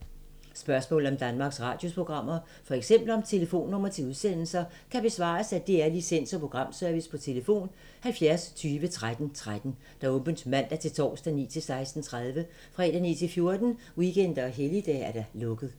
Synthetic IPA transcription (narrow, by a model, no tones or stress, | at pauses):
sb̥ɶɐsmɔ̰ːl̩ˠɒ̽md̥ænmɑ̈ːɡ̥sʁɑ̈ːd̥jo̝spʰo̝ɡ̥ʁɑ̈m̰ɐ | fɒ̽eɡ̥sem̰b̥l̩ɒ̽mt͡sʰe̝ləfo̝̰ːnːɔ̽m̰ɐt͡sʰe̝uð̞ˠsen̰l̩sɐ | kʰæb̥e̝sʋɑ̰̈ːsæd̥eæɐlisen̰sɒpʰʁo̝ɡ̥ʁɑ̈m̰sœɐʋispʰɒ̽t͡sʰe̝ləfo̝̰ːn | hælfjæɐst͡sʰyːʋət͡sʰʁad̥n̩t͡sʰʁad̥n̩ | d̥ɑ̈ɔ̽mb̥ənsmæn̰d̥æɐt͡sʰe̝lt͡sʰɒ̰ːsd̥ænḭːt͡sʰe̝lsɑ̈ɪsd̥n̩t͡sʰʁað̞ˠʋə | fʁɛd̥ænḭːt͡sʰe̝lfjo̝ɐd̥n̩ | wiken̰d̥ɐɒɦelid̥ɛ̰æɐɾ̥ɑlɔ̽ɡ̥ð̞̩ˠ